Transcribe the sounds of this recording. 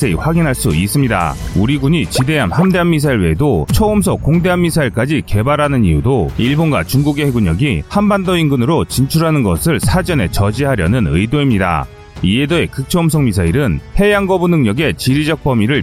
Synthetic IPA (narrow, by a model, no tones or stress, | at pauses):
eiɸwaɡinɦaɭs͈uis͈ɯmɲida̰uɾiɡuɲit͡ɕide̞amhamde̞ɦanmis̬ʰaiɭweedot͡ɕʰʌumsʰʌkoŋde̞ɦanmːisʰaiɭk͈ad͡ʑike̞baɾɦanɯnijudoiɭbonɡwa̰t͡ɕuŋɡuɡeɦeɡuɲʌɡihanbandoinɡɯnɯɾot͡ɕint͡ɕʰuɾɦanɯnɡʌsʰɯɭsʰad͡ʑʌne̞t͡ɕʌd͡ʑiɦaɾjʌnɯnɯidoimɲida̰ | iedoe̞kɯk̚t͡ɕʰʌums̬ʰʌŋmisʰaiɾɯnhe̞jaŋɡʌbunɯŋɲʌɡe̞t͡ɕiɾid͡ʑʌk̚p͈ʌmiɾɯɭ